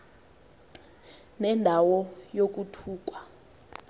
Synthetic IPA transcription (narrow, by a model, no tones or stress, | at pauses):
nɛndʱawɔjok̬ʼutʰuːk̬ʼwa